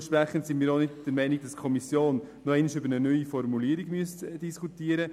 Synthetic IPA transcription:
ʃpɾæχən̩tsɪnmiːɾonɪtd̥əɾmɛɪniɡ̥̚d̥ɑskʰɔmisjoːnː | oɛɪnɪʃʏbəɾnənœʏifɔɾmuliːɾiɡ̥myəstd̥iskʰutiːəɾə

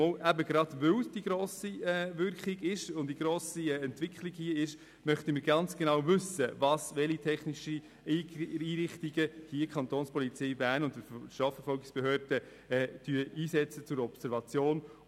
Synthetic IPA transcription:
ɔʔæbəɡɾɑd̥vʏwsd̥iɡɾoːsiɛvʏɾkχɪɡɪʃʊnd̥iɡɾoːsiɛɛntvɪkχliɡhiəɪʃ | mœχtəməɾɡɑnt͡sɡ̥enɑwvʏsəvɑsvɛlitʰɛχniʃi | iːɾɪχtiɡəd̥iəkʰɑnt̪oːnspɔlit͡sɛɪbæːnʊntdəʃtɾɑːfəɾfɔlɡɪksb̥eɦøːɾd̥ə | ɛːd̥yəʔiːsɛt͡sət͡sʊɾɔpsɛɾvɑt͡sjoːn

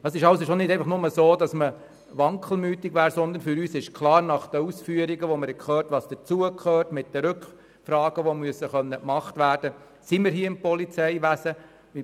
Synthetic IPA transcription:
d̥ɑsɪʃɑʊsoʃonɪdɛæɪfɑχnʊməsoːdɑsmə | ʋɑŋkʰl̩ˠmyːtɪɡʋæːɾsɔnd̪ənfʏɾyːsɪʃkʰlɑːɾnɑχd̥əusfyːəɾiɡəʋoməɾɛkʰχøːɾtʋɑːsd̥ət͡suəkʰχøːrtmɪt̚d̥əɾʏkχ | frɑːɡ̥əʋomyəsəχœnːəkmɑχtʋæːrd̥ə | simɪːɾɦiːɪmpɔlit͡sɛɪʋæsə

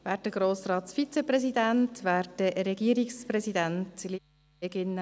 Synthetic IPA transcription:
ʋæːɾt̚dəɡ̥ɾoːsrɑːt̪sfit͡sɛprɛsidɛntʋæːɾtdəɾɛɡiːɾiksprɛsidæntli | eɡɪnə

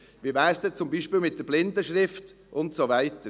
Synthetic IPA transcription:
ʋiːvæːɾsd̪ɛt͡sʊmbiːʃpiːlmɪt̚d̥əɾblɪndəʃɾɪft | ʔʊntsovæɪtə

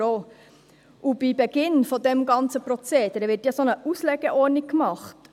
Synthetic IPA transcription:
oː | ʔub̥ibɛɡ̥ɪnfɔd̪ɛmɡɑnt͡səpɾɔt͡seːd̥̪əɾəʋɪɾtjɑsonəʔuslɛɡ̥ɛʔɔɾnikkːmɑχt

